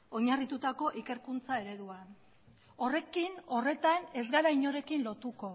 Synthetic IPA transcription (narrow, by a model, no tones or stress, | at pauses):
o̞ɲarit̪ut̪ako̞ʔike̞ɾkunt͡sae̞ɾe̞ðua | ore̞kino̞re̞t̪ane̞zɡaɾajɲo̞ɾe̞kinlo̞t̪uko̞